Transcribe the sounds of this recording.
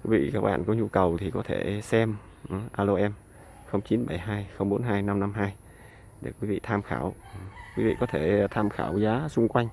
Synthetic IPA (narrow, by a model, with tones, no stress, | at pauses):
kwi˨˦vḭ˧˨kaː˦˥k̚ɓa̰ː˧˨nkɔ˨˦ɲu˧kə˨˩wt̪ʰi˨˩kɔ˨˦t̪ʰe˧˩sɛ˧m | ɗʔaː˧lo˧ʔɛ˧m | xə˧wŋ͡mt͡ɕi˨˦nɓa˧˩jɦaː˧jxə˧wŋ͡mɓo˨˦nɦaː˧jna˧mna˧mɦaː˧j | ɗe˧˩kwi˨˦vḭ˧˨t̪ʰaː˧mxa̰ː˧˩wkwi˨˦vḭ˧˨kɔ˨˦t̪ʰe˧˩t̪ʰaː˧mxa̰ː˧˩wzaː˨˦sʊ˧ŋ͡mkwa˧jŋ̟